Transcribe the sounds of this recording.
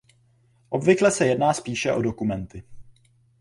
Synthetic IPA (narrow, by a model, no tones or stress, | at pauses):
ʔo̞bvɪklɛsɛjɛdnaːspiːʃɛʔo̞do̞kumɛnt̪ɪ